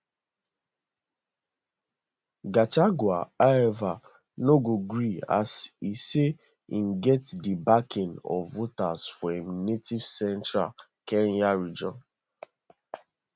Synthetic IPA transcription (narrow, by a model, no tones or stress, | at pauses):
ɡat͡ʃaɡwa̰aɛva | noɡoɡɾia̰sise | in̩ɡɛtdibakɪ̃nɔ̰vːotasfɔemnetiv̥sɛntɾa̰ | kɛnjaɾid͡ʒɔ̃n